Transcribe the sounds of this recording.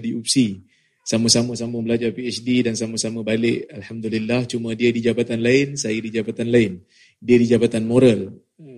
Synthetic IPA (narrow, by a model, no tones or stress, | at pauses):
diupsi | saməsamə̃sambʊŋbəlad͡ʒarpiɛt͡ʃdidansaməsamə̃balɪʔalhamd̪ulilːaht͡ʃumə̃diədid͡ʒabat̪anlaɪnsajədid͡ʒabat̪anlaɪn | diədid͡ʒabat̪anmoɾal